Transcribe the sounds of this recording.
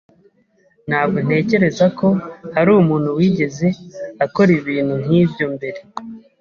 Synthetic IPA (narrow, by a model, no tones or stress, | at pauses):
n̥haːb̚ɡo̞n̥e̞ːce̞ɾe̞zako̞haɾuːmuːn̥huwiːɟe̞ze̞ako̞ɾiβiːn̥hun̥hiːvjo̞mbe̞ɾe̞